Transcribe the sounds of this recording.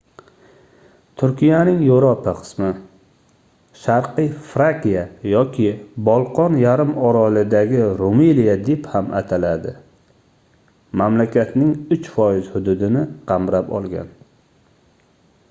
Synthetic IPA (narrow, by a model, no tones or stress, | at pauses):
t̪ʰʊɾkʲijanɪŋjoɾɒpʰaqʰɨ̥smɪ | ʃaɾqɨjfɾakʲijajɒkʲʰɪbɒlˠqʰɒnjaɾɪmɒɾɒlɪd̪aɡʲɪɾomilijad̪ephamʔa̰t̪ʰalad̪ɪ | mamlakʲʰat̪nɪŋʊt͡ʃfɒjɪzhʊd̪ʊd̪ɪnɪqʰɑmɾapɒ̰lˠɡʲa̰n